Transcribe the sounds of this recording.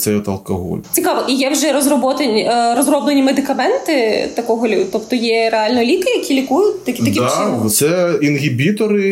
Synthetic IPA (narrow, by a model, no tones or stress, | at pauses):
t̪sɛjɔt̪ɐlˠkɐɦɔ̰lʲt͡sʲikɑʋɔʔijɛwʒɛɾɔzɾɔbɔt̪enʲɾɔzrɔblˠenʲimed̪ɪkɐmɛnt̪ɪt̪ɐkɔɦɔlʲʊt̪ɔpt̪ɔjɛɾeɑlʲnɔlʲikɪjɐkʲilʲikujʊtʲt̪ɐkʲitt̪ɐkʲid̪ʋt̪sɛinɦʲibʲit̪ɔɾɪ